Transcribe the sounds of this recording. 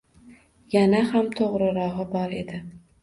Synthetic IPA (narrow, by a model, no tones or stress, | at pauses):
janahamt̪ʰoʁɾɪɾɒɦɨbɒɾe̞d̪ɪ